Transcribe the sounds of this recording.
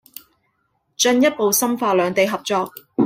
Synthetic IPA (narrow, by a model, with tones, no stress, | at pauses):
t͡ʃɵ˧njɐ˥t̚po˨wsɐ˥mfaː˧lœː˨˧ŋt̪e˨jɦɐ˨p̚t͡sɔː˧k̚